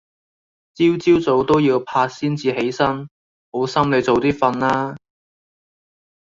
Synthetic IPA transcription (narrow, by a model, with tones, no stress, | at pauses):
t͡siː˥wt͡siː˥wt͡so˨˥wt̪o˥wjiː˧wpʰaː˧t̚siː˥nt͡siː˧ɦe˨˥jsɐ˥n | ho˨˥wsɐ˥mle˨˧jt͡so˨˧wt̪iː˥fɐ˧nlaː˥